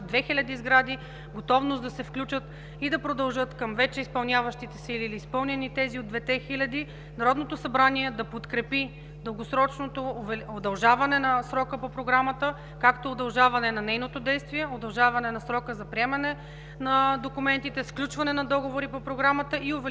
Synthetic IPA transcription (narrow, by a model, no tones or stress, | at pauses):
d̪vɛxilʲɐd̪izɡɾad̪i | ɡot̪ɔvnosd̪ɐsɛfklʲut͡ʃət̪ | id̪ɐpɾod̪ɐlˠʒɤt̪kɐmvɛt͡ʃɛispɐlˠnʲavɐʃt̪it̪ɛsiiliːliːspɤlˠnɛnit̪ɛziod̪vɛt̪ɛxilʲɐd̪i | nɐɾɔd̪not̪osɐbɾaniɛd̪ɐpot̪kɾɛpi | d̪ɤlˠɡosɾɔt͡ʃnot̪ovɛod̪ɐlˠʒavɐnɛnɐsɾɔkəpopɾoɡɾamɐt̪ə | kakt̪ood̪ɐlˠʒavɐnɛnɐnɛjnot̪od̪ɛjst̪viɛod̪ɐlˠʒavɐnɛnɐsɾɔkəzɐpɾiɛmɐnɛ | nɐd̪okumɛnt̪it̪ɛsklʲut͡ʃvɐnɛnɐd̪ɔɡovoɾipopɾoɡɾamət̪əʔiovɛ